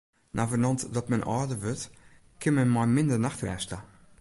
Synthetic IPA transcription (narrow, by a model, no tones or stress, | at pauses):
nʔaːvənɑntdɔtmɛnʔɔ̰ːdəvøt | kʰɪmɛnmamɪndənaxtrɛ̰ʃtə